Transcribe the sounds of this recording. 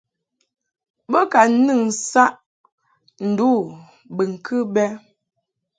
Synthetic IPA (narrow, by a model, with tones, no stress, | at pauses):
bɔ˦ka˨˦nɨ˦˨ŋsa˦ʔ | n̩˨duː˦˨ | bɨ˨ŋ̩˨kʰɨ˦bɛ˦